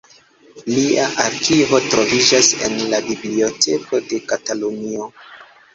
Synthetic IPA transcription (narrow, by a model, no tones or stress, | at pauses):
liaʔaɾkivo̞tɾo̞vid͡ʒase̞̰nlabiblio̞te̞ko̞de̞katalunio̞